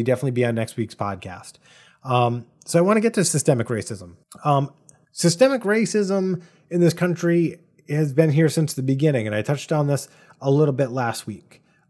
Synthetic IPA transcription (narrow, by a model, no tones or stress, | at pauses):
idɛfənətˡlibiɨ̃nːɛkst̚wikspʰɑ̰d̚kʰæ̰st | ʌ̃m | soʊaɪwɑ̃nɨɡɛtʰɨsɨstɛmɨkɹeɪsɨzə̃m̩ʌ̃m | sɨstɛmɨkɹeɪsɪzə̃m | ɨ̃nðɪskʰʌ̃nt͡ʃɹ̥i | ɨzbɨ̃nɦiɹsɪ̃nsðɨbɨɡɪ̃ñɪ̃ŋɨ̃ñaɪtʰʌt͡ʃtn̩ðɪs | əlɪɾl̩ˠbɪtˡlæst̚wik